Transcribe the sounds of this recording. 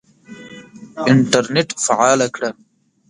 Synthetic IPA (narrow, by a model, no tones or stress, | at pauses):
ɪɳʈaɾneʈfaʕɑːlakɽa